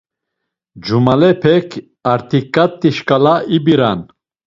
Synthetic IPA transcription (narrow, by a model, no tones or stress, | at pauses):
d͡ʒumalɛpʰɛkʰ | aɾt̪ʰikʼːat̪ʼːiʃkʼalaʔibiɾa̰n